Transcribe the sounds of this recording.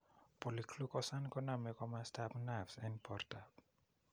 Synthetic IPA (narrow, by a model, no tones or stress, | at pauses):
pɔlikʰlukɔsankɔnamɛkɔmastʰapnafsɛnpʰɔrtap̚